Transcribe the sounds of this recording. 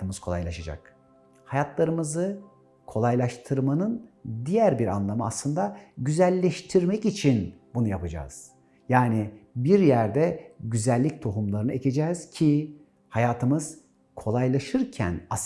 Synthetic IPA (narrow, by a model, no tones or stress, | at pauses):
ɯmɯz̥kʰo̞lˠa̰jlˠaʃad͡ʒa̰k̚ | hajat̪ʰlˠaɾɯmɯzɯ | kʰo̞lˠajlˠaʃt̪ʰɯɾmanɯnd̪ijæɾbiɾa̰nlˠamɯa̰slˠɯnd̪aɟyzælʲːɛʃt̪ʰiɾmɛcit͡ʃʰinbunujapad͡ʒa̰ːz̥ | jaːnibiɾjæɾd̪ɛɟyzælʲːic̚t̪ʰo̞ɦumlˠaɾɯnɯecʰe̞d͡ʒɛːz̥cʰi | hajaːt̪ʰɯmɯz̥ | kʰo̞lˠajlˠaʃɯɾcʰæ̰na